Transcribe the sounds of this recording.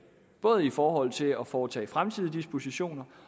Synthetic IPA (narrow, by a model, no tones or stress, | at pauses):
b̥ɔ̽ːð̞ˠifɒːɦɒ̽l̰t͡sʰe̝ɒ̽fɒːt͡sʰɛ̰ːfʁamt͡sʰið̰ˠd̥isb̥o̝siɕo̝̰ːnɐ